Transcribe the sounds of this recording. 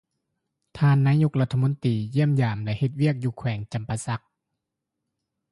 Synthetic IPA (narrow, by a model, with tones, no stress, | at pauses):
t̪ʰaː˧˨nːaː˧˥jo˧˥k̚la˧˥t̪ʰːa˧mo˧˥nt̪iː˨ji˥˩əmjaː˨˩mlɛ˧˥he˧˩t̪̚wi˥˩ək̚juː˧˩kʰwɛː˩˦ŋt͡ɕa˨˩mpa˧sa˧˦k̚